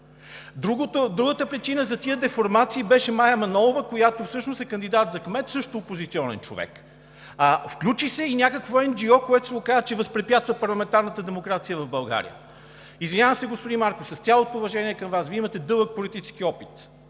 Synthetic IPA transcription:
d̪ɾuɡot̪od̪ɾuɡət̪əpɾit͡ʃinəzɐt̪iəd̪ɛfoɾmat̪siːbɛʃɛmajəmɐnɔlˠovəkojat̪ofsɤʃnosɛkɐnd̪id̪at̪zɐkmɛt̪sɤʃt̪oːpozit̪siɔnɛ̰nt͡ʃo̰vɛ̰k | əfklʲut͡ʃisɛinʲjakəkvoɛmd͡ʒiɔkoɛt̪o̥sɛɡokazət͡ʃɛvɐspɾɛpʲjat̪st̪vɐpɐɾlˠɐmɛnt̪aɾnət̪əd̪ɛmokɾat̪sijəvɐvbɐlˠɡa̰ɾḭjə̰ | izvinʲavəmsɛɡospod̪inmaɾkosɐsʲalˠot̪oːvɐʒɛniɛkɐmvasviimɐt̪ɛd̪ɤlˠək̚polit̪it͡ʃɛ̥sk̟iɔpit̪

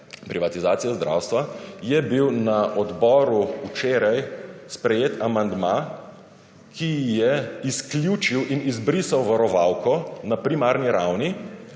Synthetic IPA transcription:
pɾiʋat̪izaːt̪sijazd̪ɾʔa̰wst̪ʋajɛbiwnaʔɔd̪bɔːɾuut͡ʃeːɾajspɾɛjeːt̪amand̪ma | kʰijɛisklʲjut͡ʃiwʔinizbɾisawʋaɾɔʋawkɔnapɾimaɾniɾawni

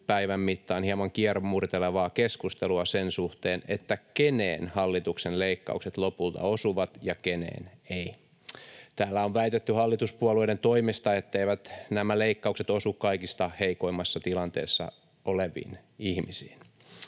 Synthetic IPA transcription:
pæiʋæmːit̪ːɑːnhiɑmɑŋkiɑrommurit̪eleʋɑːkeskust̪eluɑsensuht̪eːnet̪ːækenḛːnhɑlːit̪uksenleikːɑ̰ukset̪lopult̪ɑ̰osuʋɑt̪jɑkenḛːnei | t̪æːlːæoʋʋæit̪et̪ːyhɑlːit̪uspuɑluident̪oimist̪ɑet̪ːeiʋæt̪næmæleikːɑukset̪osukkɑikist̪ɑheikoimːɑsːɑt̪ilɑnt̪ḛːsːɑ̰ | oleʋḭːnihmisiːn

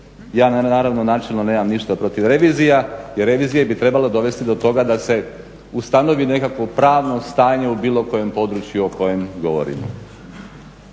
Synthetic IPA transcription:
jaːnaaːɾaʋno̞naːt͡ʃelˠno̞ne̞ːmamniʃt̪apɾo̞t̪iʋɾe̞ʋiːzijajeɾːe̞ʋiːzijebit̪ɾe̞baled̪o̞ʋe̞st̪id̪o̞t̪o̞ɡad̪ase̞ | ust̪ano̞ʋine̞kakʋo̞pɾaːʋno̞st̪aːɲe̞ubiːlˠo̞ko̞je̞mpo̞d̪ɾut͡ʃjuoko̞je̞mɡo̞ʋo̰ɾḭmo̰

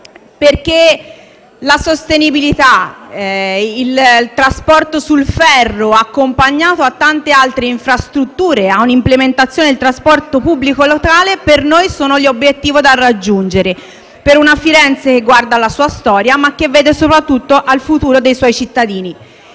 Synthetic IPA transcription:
perk̟e | lasost̪enibilit̪a | ilt̪ɾaspɔrt̪osulfɛrːoakːompaɲːaːt̪oat̪ːant̪ealt̪ɾeiɱfɾast̪ɾut̪ːuːɾeaunimplement̪at̪sjoːned̪ilt̪ɾaspɔrt̪opubːlikolokaːlepernojsoːnoʎobːjet̪ːiːvod̪arːad͡ʒːund͡ʒeɾe | peɾunafiɾɛnt̪sek̟eɡːward̪alasuːast̪ɔːɾjamakːevːɛːd̪esopɾat̪ːut̪ːoʔalfut̪uːɾod̪ejswɔjt͡ʃit̪ːad̪iːni

